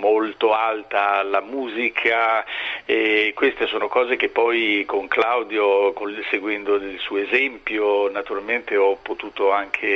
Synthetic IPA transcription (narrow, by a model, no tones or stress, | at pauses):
molt̪oalt̪alamuːzikʰa | ekwest̪esoːnokɔːzek̟epːɔjkoŋklawd̪jokonseɡwɛnd̪od̪elsuːoezɛmpjonat̪uɾalment̪eɔpːot̪uːt̪oaŋkʰe